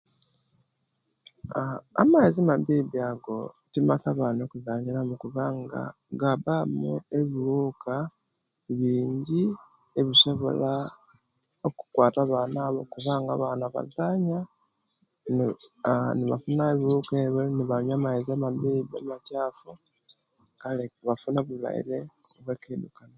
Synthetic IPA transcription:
a̰majezimaβiːβiaɡo̞̰timaθaβano̞kuzaːɲiɾamukuβaŋɡa̰ | ɡabamue̞βiβuːka | βiːɲɟi | e̞βiso̞βo̞̰la | oku̥kwaːtaβaːnaβokuβaːŋɡa̰βaːnaβa̰zaːɲa | n | niβa̰funaeβiɾukeβweniβaɲamaizamadibamacaːfu | kaleβafunaβula̰ḭleoβwe̞kedukana

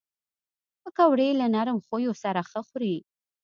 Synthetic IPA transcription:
pəkawɽelanaɾəmxojosaɾaxəxɾi

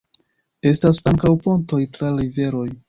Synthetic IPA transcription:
e̞stasaŋkawpo̞nto̞jtɾaɾive̞ɾo̞j

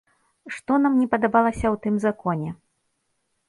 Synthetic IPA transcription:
ʂt̪ɔnamnʲɛpɐd̪abalˠɐsʲɐwt̪ɨmzakɔnʲɛ

